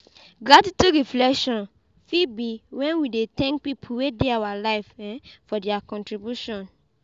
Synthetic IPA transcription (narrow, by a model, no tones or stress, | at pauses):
ɡladituɾiflɛkʃɔ̃n | fibiwɛ̃nwidet̪ɛ̃ŋk̚pipʰuwedeawalaɪfɛ̃fɔdɛakɔ̃ntɹibjuʃɔ̃n